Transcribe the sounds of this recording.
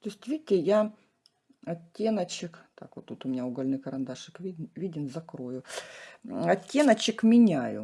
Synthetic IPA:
t̪osʲtʲvʲidʲɪtʲɪja | ɐtʲːenət͡ɕɪkt̪a̰kvot̪ːut̪ʊmʲɪnʲaʊɡɐlʲnɨjkɐɾɐnd̪aʂɨkvʲivʲidʲɪnzɐkɾojʊ | ɐt̪ʲːe̞nət͡ɕɪkmʲɪnʲajʊ̰

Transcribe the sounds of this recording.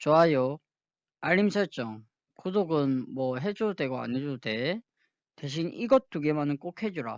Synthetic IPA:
t͡ɕoajo | aʎːims̬ʰʌɭt͡ɕ͈ʌŋ | kodoɡɯnmwʌɦe̞d͡ʑode̞ɡoa̰ɲed͡ʑode̞ | teɕ̬ʰiniɡʌt͈uɡemanɯnk͈okʰhe̞d͡ʑuɾa̰

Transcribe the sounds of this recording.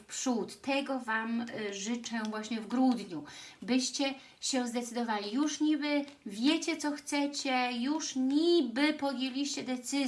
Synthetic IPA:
pʂut̪ːɛɡɔvamʐɘt͡ʂɛvwaɕɲɛvɡɾud̪ɲubɘɕt͡ɕɛ | ɕɛ̃zd̪ɛt̪sɘd̪ɔvalʲijuʂɲibɘvʲjet͡ɕɛt̪sɔxt̪sɛt͡ɕɛjuʂɲibɘpɔd̪ʲjelʲiɕt͡ɕɛd̪ɛt̪sɘ

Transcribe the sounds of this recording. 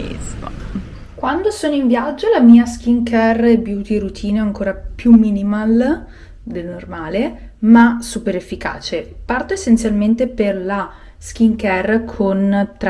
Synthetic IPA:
ḭzm̰ | kwand̪osoːnoiɱvjad͡ʒːolamiːask̟iŋkɛrebjuːt̪ieɾut̪ʰiːnoaŋkoːɾapjumːiːnimal | d̪elnormaːlemasuːpeɾefːika̰ːt͡ʃepart̪oesːent̪sjalment̪eperla | sk̟iŋkɛrkʰont̪ɾ

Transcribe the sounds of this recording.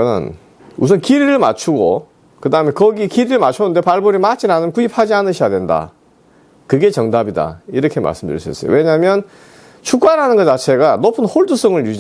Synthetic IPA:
ɯ̰n | usʰʌnkiɾiɾɯɭma̰t͡ɕʰuɡo̰ | kɯdaɯmenkʌɡikiɾiɯɭmat͡ɕʰonɯnde̞paɭboɾimat͡ɕʰinanɯnkuipʰad͡ʑianɯɕʰijadwe̞nda̰ | kɯɡe̞t͡ɕʌŋdabida̰iɾʌkʰe̞ma̰ɭs͈ɯmdɯɾḭs͈uḭs͈ʌjo̰we̞ɲamjʌn | t͡ɕʰuk͈waɾanɯnɡʌt͡ɕat͡ɕʰe̞ɡanopʰɯnhoɭdus͈ʰʌŋɯɭjud͡ʑi

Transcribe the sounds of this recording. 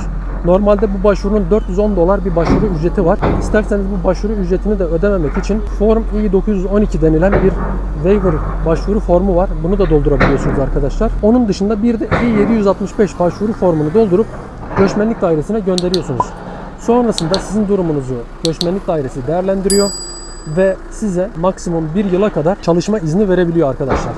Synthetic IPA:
no̞ɾmalʲd̪ɛbubaʃvuɾunund̪øɾt̪jyzo̞nd̪o̞lˠaɾbiɾbaʃvuɾuyd͡ʒɾe̞t̪ʰivaɾ̥ist̪æɾse̞nizbubaʃvuɾuyd͡ʒɾe̞t̪ʰinid̪ɛød̪eme̞mɛcit͡ʃʰinfo̞ɾmiːd̪o̞kʰuzjyzo̞nicʰid̪e̞nilʲænbiɾ | vejvɯɾ | baʃvuɾufo̞ɾmuvaɾbunud̪ad̪o̞lˠd̪uɾabilʲijo̞sunuzaɾkʰad̪aʃlˠaɾ̥o̞nund̪ɯʃɯnd̪abiɾd̪ɛiːje̞d̪ijyzalt̪mɯʃbɛʃbaʃvuɾufo̞ɾmunud̪o̞lˠd̪uɾup | ɟø̞t͡ʃmænlʲic̚d̪aːiɾe̞sinɛɟø̞nd̪eɾijo̞sunuz̥ | so̞nɾasɯnd̪asizind̪uɾumunuzuɟ̥øt͡ʃmænlʲicd̪aːiɾe̞sid̪ejæɾlʲænd̪iɾijo̞ | vɛ | sizɛmaksimumbiɾjɯlˠakʰad̪aɾt͡ʃʰalˠɯʃmaiznive̞ɾe̞bilʲijo̞aɾkʰad̪aʃlˠaɾ̥

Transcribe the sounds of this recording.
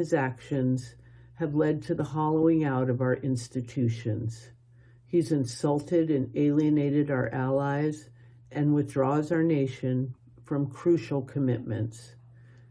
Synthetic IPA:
ɨzækʃɨ̃nz̥ | ɨvlɛd̚tʰɨðəhɑlˠoʊɪ̃ŋaʊɾʌvaʊə˞ʔɪ̃nstɨtʰʉʃɨ̃nz̥ | izɨ̃nsʌlˠtʰɪɾɨ̃neɪlˠiɨneɪɾɨɾaʊə̰˞ʔælˠaɪz | ʔɨ̃nwɨθdɹɔzaʊə˞neɪʃɨ̃n | fɹʌ̃mkʰɹ̥ʉʃl̩ˠkʰɨmɪt̚mɨ̰̃nts

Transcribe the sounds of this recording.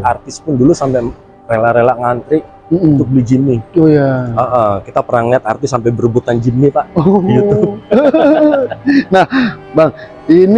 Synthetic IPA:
art̪ɪspʊndulusampɛ | relaɾelaʔŋant̪ɾɪʔ | m̩ut̪ʊk̚bəlid͡ʒimːiojaəʔəkit̪apəɾaŋliɦat̪̚a̰rt̪ɪsːampɛjbəɾbut̪and͡ʒimːipaʔout̪u | nahbaŋ | in

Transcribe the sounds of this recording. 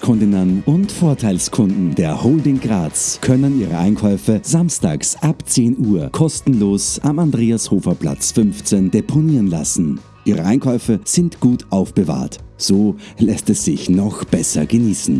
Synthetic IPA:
kʰʊndɪnənʊntfoːɐtʰaɪlskʰʊndn̩deːɐhoːldɪŋɡʁaːt͡skʰœnəniːʁə̰ʔaɪnkʰɔʏfəzamsta̰ːksʔapt͡seːnuːɐkʰɔstn̩loːsamandʁeːashoːfɐpl̥a̰t͡sfʏnft͡sendepʰoniːʁənla̰sn̩ | ʔiːʁəʔaɪnkʰɔʏfəz̥ɪntɡ̥uːtʔaʊfb̥əva̰ːɐtz̥oːlɛstɛsz̥ɪçnɔχb̥ɛsɐ̰ɡəniːsn̩

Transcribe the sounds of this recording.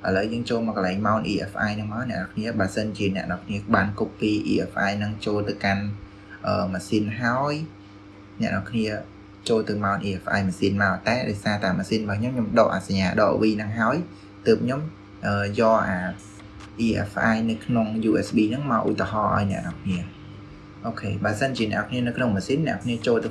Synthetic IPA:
ʔələwjəːŋt͡ɕoːlmɔːkəlaɛŋmaɔnʔiːʔɛfʔaːjnɨŋmaɔnɛ̆əʔɗɑkʰniəɓaːəsənt͡ɕiənɛ̆əʔɗɑkʰniəɓaːnkupːiːʔḭːʔɛfʔa̰ːjnɨŋt͡ɕoːlt̪ɨwkan | ʔəːmaːsiːnɦaɔj | nɛ̆əʔɗɔkʰniə | t͡ɕoːlt̪ɨwmaɔnʔiːʔɛfʔa̰ːjmaːsiːnmaɔt̪aɛɗaɔjsaːt̪aɛmaːsiːnɓaːkʰɲomɲomɗɑːʔa̰saɲːaːɗɑ̰ːʔʋiːnɨŋɦaəj | t̪əːp̚ʰɲom | ʔəːjɑːʔaː | ʔiːʔɛ̰fʔaːjnɨwkʰnoŋjuːʔɛsɓiːnɨŋmaɔʔṵt̪ːeɦɑːʔa̰ɔjnɛ̆əʔnɑkʰniə | ʔoːkʰeːɓaəsənt͡ɕiənɛ̰̆əʔɔkʰniənɨwkʰnoŋmaːsiːnːɛ̆əkʰniət͡ɕoːlt̪ɨ

